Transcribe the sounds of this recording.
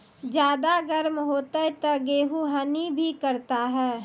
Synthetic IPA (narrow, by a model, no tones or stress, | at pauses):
d͡ʒjaːd̪aɡəɾmɦoːt̪et̪ɐɡeːɦuɦənibʱikəɾt̪aɦɛː